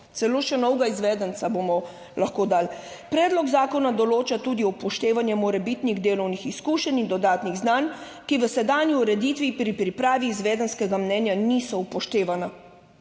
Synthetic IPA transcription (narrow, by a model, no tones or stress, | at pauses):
t̪sɛloːʃɛnɔwɡaizʋɛːd̪ənt̪sabomɔ | laxkoːd̪al | pɾɛːd̪lɔɡzaːkɔnad̪ɔloːt͡ʃat̪uːd̪iɔwpɔʃt̪eːʋanjɛmɔɾɛbit̪niɣd̪eːlɔwnixiskuːʃɛnind̪ɔd̪aːt̪niɣznan | kiʋəsɛd̪aːnjiuɾɛd̪iːt̪ʋipɾipɾipɾaːʋiːzʋɛːd̪ənskɛɡamnɛnjanisɔupɔʃt̪eːʋana